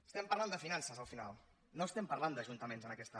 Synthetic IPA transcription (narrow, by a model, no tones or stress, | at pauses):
əst̪ɛmpəɾland̪əfinansəzəlˠfina̰lˠ | noəst̪ɛmpəɾland̪əʒunt̪əmenzənəkɛst̪ə